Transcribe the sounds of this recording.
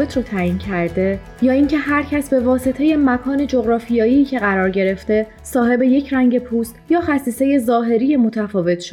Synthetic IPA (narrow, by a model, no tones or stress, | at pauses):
et̪ʰɾot̪ʰæːjiːncʰæɾd̪e | jɒːiŋcʰe̞hæɾcʰæsbe̞vɒːse̞t̪ʰe̞je̞mækʰɒːne̞d͡ʒo̞ɣɾɒːfijɒːjiːcʰe̞ɣæɾɒːɾɟe̞ɾe̞ft̪e̞ | sɒːɦe̞be̞je̞cʰɾæŋɟe̞pʰuːst̪jɒːxæsiːse̞je̞zɒːɦe̞ɾijemo̞t̪ʰæfɒːve̞t̪ʰʃo̥